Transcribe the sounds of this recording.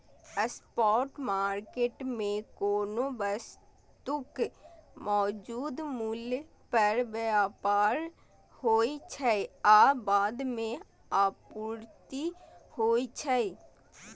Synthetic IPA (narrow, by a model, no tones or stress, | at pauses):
əspɔːʈmaːɾkeːʈmẽkoːnobəs | t̪ʊkmɔːd͡ʒuːd̪mʊl | pəɾʋəaːpaːɾ | hoːit͡ʃʰəiaːbaːd̪mẽ | aːpuːɾt̪ihoːit͡ʃʰəi